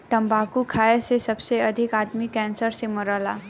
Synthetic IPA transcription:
ʈəmbakukʰaesesəbseəd̪ʱikad̪mikɛ̃nsəɾseməɾəla̰

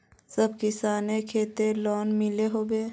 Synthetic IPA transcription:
səbkɪsaːnekʰeːt̪elɔːnmɪleɦoːbeː

